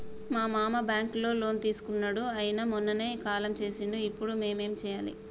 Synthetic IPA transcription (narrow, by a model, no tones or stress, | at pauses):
maːmaːmɐbjaːŋklo̞ːlo̞ːnt̪iːsu̥kunːɐɽuɐjinɐmɔnːɐneːkaːlɐmt͡ʃe̞ːsiɳɖuipːuɽume̞ːme̞ːmt͡ʃɛːjaːlḭ